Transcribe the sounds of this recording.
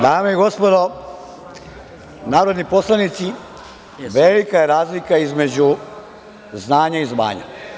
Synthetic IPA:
d̪aːmeiɡo̞spo̞d̪o̞ | naːɾod̪nipo̞slˠanit̪si | ʋelikajeɾaːzlikaizme̞d͡ʑu | znaːɲaizma̰ːɲa̰

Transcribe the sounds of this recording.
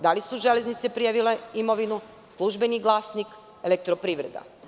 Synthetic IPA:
d̪alisuʒele̞znit̪sepɾijaʋileimo̞ʋinu | slˠuʒbeniɡlˠasnik | elek̚t̪ɾopɾiːʋɾe̞d̪a̰

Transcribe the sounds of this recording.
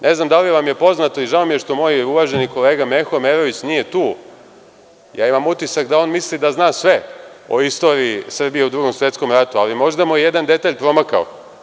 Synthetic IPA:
nʔe̞znamd̪aliʋamje̞po̞znat̪o̞iʒaomijeʂt̪o̞mo̞ːjuʋaːʒe̞niko̞leːɡame̞xome̞ɾoʋit͡ɕnije̞t̪uː | ja̰ːimamut̪isakd̪ao̞ːnmislid̪aznaːsʋe̞o̞̰ist̪o̞ːɾiːsr̩bije̞ud̪ɾuːɡo̞msʋe̞t̪sko̞mɾat̪ualimo̞ʒd̪amoije̞d̪and̪e̞t̪aːʎpɾo̞makao̰

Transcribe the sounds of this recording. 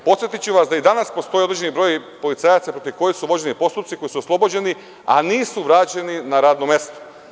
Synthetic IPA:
po̞t̪sjet̪it͡ɕuʋasd̪aid̪anaspo̞st̪o̞jioɾed͡ʑd͡ʒe̞nibɾo̞jipo̞lit̪saːjat̪sapɾo̞t̪iʋko̞jixsuʋo̞d͡ʑe̞nipo̞st̪upt̪siko̞jisuoslˠo̞bod͡ʑe̞ni | a̰niːsuʋɾaːt͡ɕe̞ninaɾaːd̪nomje̞st̪o̥

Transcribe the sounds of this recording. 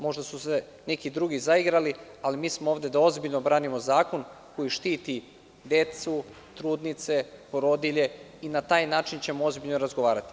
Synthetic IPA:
mo̞ʒd̪asuse | ne̞kid̪ɾuːɡizaiɡɾali | alimiːsmooːvd̪e̞d̪ao̞zbiʎno̞bɾaːnimo̞zaːko̞n | ko̞jiʃt̪iːt̪i | d̪e̞t̪su | t̪ɾuːd̪nit̪se̞poɾo̞d̪iʎe̞ | inat̪aːjnaːt͡ʃint͡ɕe̞moo̞zbiʎnoɾazɡoʋaːɾat̪i̥

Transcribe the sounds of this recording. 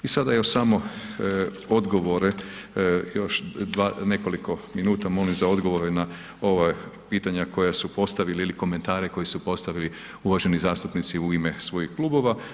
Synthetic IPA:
isad̪ajoʃsamo̞ | o̞d̪ɡo̞ʋo̞ɾe | jo̞ʃd̪ʋaːne̞ko̞likʰo̞minuːt̪amo̞limzao̞d̪ɡo̞ʋo̞ɾena | o̞ʋapiːt̪aɲako̞jasupo̞st̪aʋileiliko̞me̞nt̪aːɾeko̞jisupo̞st̪aʋili | uʋaʒe̞nizaːst̪upnit̪siuimesʋo̞jixklˠuːbo̞ʋa

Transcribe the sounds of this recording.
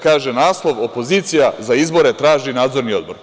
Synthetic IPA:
kaːʒenaːslˠo̞ʋo̞po̞ziːt̪sijazaizbo̞ɾet̪ɾaːʒinaːd̪zo̞ɾnio̞d̪̚bo̞ɾ

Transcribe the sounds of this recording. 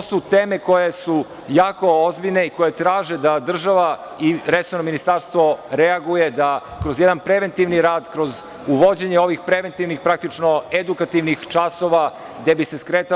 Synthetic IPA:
osut̪eːme̞ko̞jesu | jaːko̞ozbiʎne̞iko̞je̞t̪ɾaːʒed̪ad̪r̩ʒaʋa | iɾesoɾnominist̪aɾst̪ʋo̞ɾeaɡuje̞d̪a | kɾozjed̪anpɾeʋe̞nt̪iʋniɾaːd̪kɾo̞z | uʋo̞d͡ʑeɲeo̞ʋixpɾeʋent̪iʋnixpɾak̚t̪it͡ʃnoed̪ukat̪iʋnixt͡ʂasoʋa | ɡd̪e̞bise̞skɾeːt̪a

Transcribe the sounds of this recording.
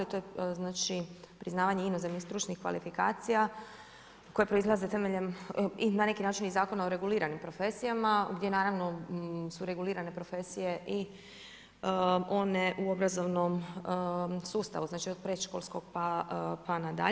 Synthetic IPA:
lit̪ojeznaːt͡ʃipɾiznaːʋaɲeino̞zemnist̪ɾuːt͡ʃnixkʋa̰lifikaːt̪sija | ko̞jepɾoizlˠaze̞t̪e̞meʎe̞minane̞kinaːt͡ʃinizaːko̞naoɾe̞ɡuliːɾanimpɾo̞fe̞sijamaɡd̪ʲje̞naːɾaʋno̞suɾe̞ɡuliːɾane̞pɾo̞fe̞sije̞ʔi | o̞ne̞ʔuo̞bɾazo̞ʋno̞m | suːst̪a̰ʋuznaːt͡ʃiod̪̚pɾeʃko̞lskoɡpapanad̪a̰

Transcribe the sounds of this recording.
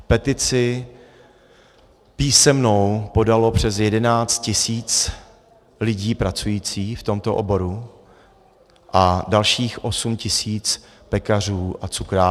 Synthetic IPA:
pɛt̪ɪt͡sɪ | piːsɛmnowpo̞dalo̞pr̝̥ɛs̬jɛdɛnaːt͡st̪̚cɪsiːt͡s | lɪɟiːpɾat͡sujiːt͡siːft̪o̞mt̪o̞ʔobo̞ɾu | ʔadalʃiːxʔo̞sumcɪsiːt͡s | pɛkar̝uːʔat͡sukɾaː

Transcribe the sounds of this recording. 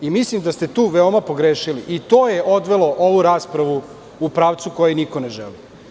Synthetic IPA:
imislimd̪ast̪et̪uːʋeo̞mapo̞ɡɾeːʃiliʔit̪oːjeʔo̞d̪ʋelˠo̞ʔoʋuɾaːspɾaʋu | upɾaːʋt̪suko̞jenikoneʒɛ̰li

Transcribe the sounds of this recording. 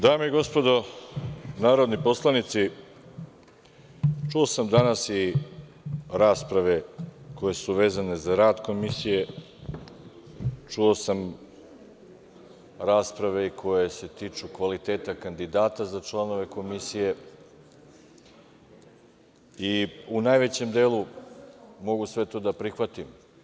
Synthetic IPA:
d̪aːmeiɡo̞spo̞d̪o̞ | naːɾo̞d̪nipo̞slˠanit̪si | t͡ʃuo̞samd̪anasi | ɾaːspɾaʋe̞ko̞je̞suʋe̞ːzane̞zaɾaːd̪ko̞misije̞ | t͡ʃuo̞sam | ɾaːspɾaʋe̞ikʰo̞je̞se̞t̪iːt͡ʂukʋalit̪e̞ːt̪akand̪id̪aːt̪azat͡ʃlˠano̞ʋe̞ko̞misije̞ | iunaːjʋe̞t͡ɕe̞md̪eːlu | mo̞ɡusʋe̞t̪o̞d̪apɾixʋat̪im

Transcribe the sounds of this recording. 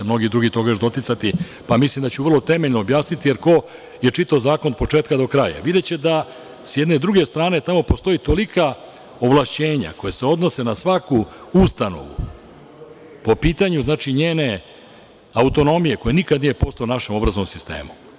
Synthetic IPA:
emno̞ɡid̪ɾuɡit̪o̞ɡaʒd̪o̞t̪it̪sat̪i | pamislimd̪at͡ɕuvrlˠo̞t̪e̞meʎnoːbjaːsnit̪ijeɾko̞ | je̞t͡ʂit̪aozaːko̞npo̞t͡ʂeːt̪kad̪o̞kɾaja̰ʋid̪et͡ɕe̞d̪a | sjed̪ne̞d̪ɾuɡe̞st̪ɾaːne̞t̪amo̞post̪o̞it̪olika | o̞ʋlˠaʃt͡ɕe̞ːɲa̰kojese̞o̞d̪no̞se̞nasʋakuust̪ano̰ʋṵ | po̞piːt̪aɲuznaːt͡ʃiɲeːne̞ | aut̪o̞no̞mije̞ko̞jenikad̪nije̞po̞st̪aonaʃemo̞bɾaznomsist̪e̞̰ːmu

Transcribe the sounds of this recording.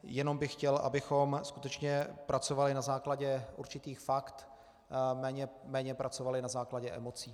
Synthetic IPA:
jɛno̞mbɪxcɛlʔa̰bɪxo̞mskut̪ɛt͡ʃɲɛpɾʔat͡so̞valɪnazaːklaɟɛʔuɾt͡ʃɪt̪iːxfakt̪ | mɛːɲɛmɛːɲɛpɾʔat͡so̞valɪnazaːklaɟɛʔɛ̰mo̞t͡siː

